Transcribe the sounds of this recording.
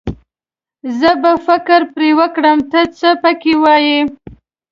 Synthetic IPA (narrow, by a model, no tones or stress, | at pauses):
zəbafɪkɾpɾewəkɽəmt̪ət͡səpəkewɑji